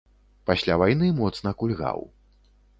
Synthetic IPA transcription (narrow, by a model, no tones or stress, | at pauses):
pasʲlʲavajnɨmɔt̪snɐkulʲɣa̰w